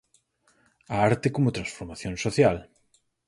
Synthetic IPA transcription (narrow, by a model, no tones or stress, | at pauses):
aaɾt̪ekomot̪ɾansfoɾmaθjõnsoθjal